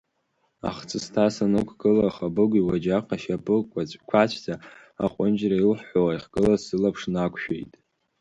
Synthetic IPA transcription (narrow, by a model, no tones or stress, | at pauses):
a̰χt͡sʰɨstʰasanɨkʷʰɡɨlaχabɨɡʷiwad͡ʒaqʰʼaʃapʰʼɨkʷʼat͡ɕʷʼkʷʰat͡ɕʷʰt͡sʰʼa | a̰qʷʼʊnd͡ʒrailħħʷoaiχɡʼɨlasɨlapʰʂnakʷʰʃᶣḛjtʼ